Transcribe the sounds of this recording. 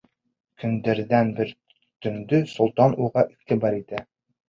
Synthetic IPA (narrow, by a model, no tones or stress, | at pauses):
kʰɵ̆nd̪æɾd̪ænbɘɾ | t̪ɵ̆nd̪ɵsŏlˠt̪ɑnʔuʁɑʔiʁt̪ibɑɾit̪æ